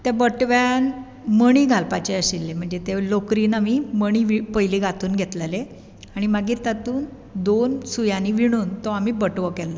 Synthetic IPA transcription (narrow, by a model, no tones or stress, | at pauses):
t̪ebəʈʋjan | məɳ̃iːɡʱalpat͡ɕeəɕilːem̤əɳd͡zet̪elokɾiːnamiməɽ̃iʋipəjliːɡat̪uːnɡʱet̪lele | aɽ̃imaɡiːɾt̪at̪uːn | d̪onsujaniʋiɽ̃uːnt̪ɔamiːbəʈʋəkɛlːa